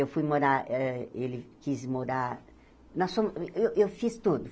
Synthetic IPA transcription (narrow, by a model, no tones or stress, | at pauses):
ewfujmɐ̃d̪aɛelɪkizmud̪a | nɐsuɐewʔewfist̪ud̪ʊ